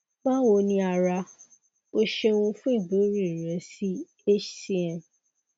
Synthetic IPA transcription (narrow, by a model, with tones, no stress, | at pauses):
mã˦wo˧˦nĩ˧a˧ɾa˧ | o˧ʃe˧w̃ũ˧fũ˦i˦˨bo˨˦ɾi˦˨i˨ɾɛ̃˨˦si˦ | e˦ʃsi˦ɛ̃˨